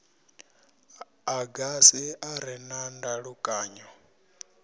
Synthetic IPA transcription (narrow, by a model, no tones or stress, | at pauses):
aɡasiaɾɛnandaɺukʼaːɲɔ